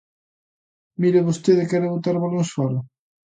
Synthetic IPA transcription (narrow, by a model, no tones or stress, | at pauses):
miɾɪβost̪eðɪkɛɾɪβot̪aɾβaloŋsfɔɾʊ